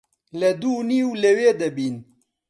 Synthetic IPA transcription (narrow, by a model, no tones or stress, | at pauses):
lɐd̪uːniːwleweːd̪ɐbiːn